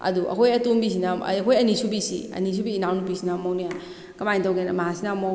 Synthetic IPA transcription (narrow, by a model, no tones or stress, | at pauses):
ɐ̰duʔɐ̰kʰojɐtumbis̬ina̰kʰojɐnisubisḭɐ̰nis̬ubiːnawnupisinamownija | kɐmajntawɡenmaɦasinama